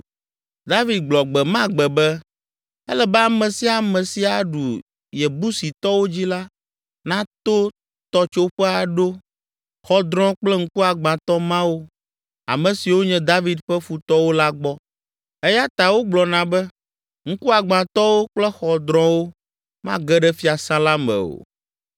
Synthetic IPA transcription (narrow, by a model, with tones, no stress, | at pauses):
d̪a˦vi˨d̪̚ɡ͡blɔ˨ɡ͡bɛ˨mã˦ɡ͡bɛ˨bɛ˦ | ɛ˦lɛ˨bɛ˦a˨mɛ̃˨si˦a˨mɛ̃˨si˦a˨ɖu˨ | jɛ˨bu˦si˨t̪ɔ˦wo˦d͡ʑi˦la˦ | nã˦t̪o˦ | t̪ɔ˦t͡ʃo˦ɸɛ˦a˨ɖo˦ | xɔ˨d̪ɾɔ̃˦k͡plɛ˦ŋ̩˦ku˦a˨ɡ͡bã˨t̪ɔ˦mã˦wo˦ | a̰˨mɛ̃˨si˨wo˦ɲɛ̃˦d̪a˦vi˦d̪ɸɛ˦fu˨t̪ɔ˦wo˦la˦ɡ͡bɔ˦ | ɛ˦ja˦t̪a˨wo˦ɡ͡blɔ˨nã˨bɛ˦ | ŋ̩˦ku˦a˨ɡ͡bã˨t̪ɔ˦wo˦k͡plɛ˦xɔ˨d̪ɾɔ̃˦wo˦ | mã˦ɡɛ˦ɖɛ˦fi˦a˨sã˦la˦mɛ̰̃˨o̰˨